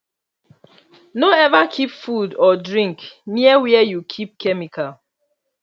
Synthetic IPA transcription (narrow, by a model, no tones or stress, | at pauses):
noɛvakʰipfudɔdɹĩŋkniəwɛɛjukʰip̚kʰɛmikʰal